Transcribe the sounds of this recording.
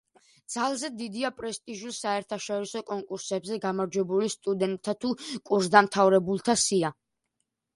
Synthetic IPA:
d̪z̥alˠzɛd̪id̪iapʼɾɛst̪ʼiʒusaɛɾt̪ʰaʃɔɾisɔkʼɔŋkʼuɾsɛbzɛɡamaɾd͡ʒwɛbulist̪ʼud̪ɛnt̪ʼʰːat̪ʰukʼuɾzd̪amt̪ʰavɾɛbulˠt̪ʰasia

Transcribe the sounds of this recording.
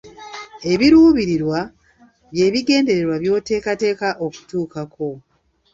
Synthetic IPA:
e̞βiɾuːβiɾiɾwa | βje̞ːβiɡe̞ːnde̞ɾe̞ɾwaβjo̞ːte̞ːkate̞ːkaʔoku̥tuːkakʰo̞

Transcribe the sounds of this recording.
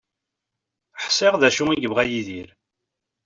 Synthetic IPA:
ħsɪʁðæʃʊiɡəvʁæjiðiɾ

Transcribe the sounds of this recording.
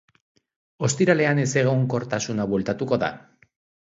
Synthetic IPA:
o̞st̪iɾale̞ane̞se̞ɣ̞o̞ŋko̞ɾt̪asunaβwe̞lt̪at̪uko̞ða̰

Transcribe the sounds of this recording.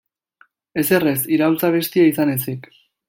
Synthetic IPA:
e̞se̞resiɾault͡saβ̞e̞st̪iais̬ane̞s̬ik

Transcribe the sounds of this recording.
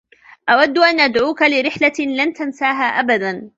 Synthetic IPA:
ʔawad̪ːʊʔanʔad̪ʕuːkalɪɾɪħlalant̪ansaːɦaːʔabad̪an

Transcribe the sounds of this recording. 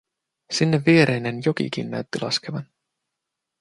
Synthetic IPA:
sinːe̞vːiːɾejnenjo̞kḭkḭnːæ̰ɥt̪ːilʔɑ̰ske̞vɑn

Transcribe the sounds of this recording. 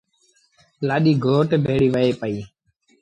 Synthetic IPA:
laːɗiːɡʱoːʈbʱeːɽiːʋəeːpəiː

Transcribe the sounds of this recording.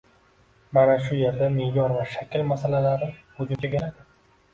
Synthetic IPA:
manaʃʊje̞ɾd̪amejɒɾvaʃakʲʰɪlmasalalaɾɪhʊd͡ʒʊmt͡ʃʰaɡʲelad̪ɪ

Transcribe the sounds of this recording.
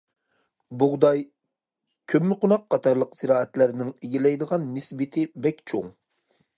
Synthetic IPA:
bʊʁd̪ɑj | kʲʰømːɪqʰʊnɑqːʰɑt̪ʰɑɾlˠəqz̥ɨɾɑːɛt̪læɾnɪŋeɡʲilɛjd̪əʁɑnːɪsbɪt̪ʰɪbɛkʲt͡ʃʰoŋ

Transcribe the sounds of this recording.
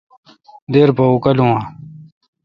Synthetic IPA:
d̪eːɾpɐukɐlũwãː

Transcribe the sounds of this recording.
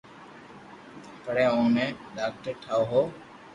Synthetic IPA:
pəɽeːõnẽːɗaːk̚ʈəɾʈʰaːoɦoː

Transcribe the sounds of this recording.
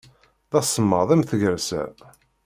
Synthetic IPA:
ðɑsˤəmːəðˤæmθəʝəɾsæ̰

